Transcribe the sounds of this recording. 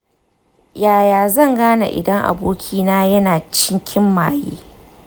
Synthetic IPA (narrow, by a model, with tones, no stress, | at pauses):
jaː˨jaː˨zɐ˦˨ŋɡaː˦na̰˨ʔɪ̰˨dɐ˦ŋʔa̰˨boː˦kʲʰiː˦naː˦jɐ˦naː˨t͡ʃɪ˦ŋkʲʰɪ˦mːa̰ː˨jḛː˦